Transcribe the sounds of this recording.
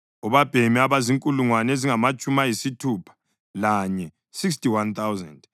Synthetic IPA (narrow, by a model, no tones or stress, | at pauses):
uβab̥ʱemiaβaziŋkʼuluŋwaneziŋamat͡ʃʼumajisitʰuːpʰḁ | laɲɛ | sikstiwant̪awzɛ̰nd